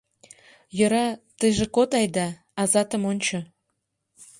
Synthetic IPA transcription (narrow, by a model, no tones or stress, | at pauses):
jə̆ɾɑt̪əjʒekot̪ɑjd̪ɑ | ɑzɑt̪ə̆monʲt͡ɕɤ